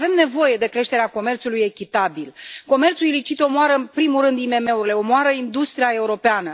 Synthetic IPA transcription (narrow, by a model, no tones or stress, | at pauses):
ve̞mne̞vo̞je̞d̪e̞kɾe̞ʃt̪e̞ɾeako̞me̞rt̪suluje̞kʲit̪abilko̞me̞rt̪suilit͡ʃit̪o̞moaɾəɨnpɾimurɾɨnd̪ime̞me̞uɾile̞o̞moaɾəind̪ust̪ɾijae̞uɾo̞peanə